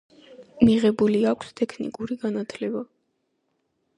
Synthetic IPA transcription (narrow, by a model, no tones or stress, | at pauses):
miʁɛbuliakʷʰst̪ʼɛkʰnḭkʼuɾiɡanat̪ʰlɛba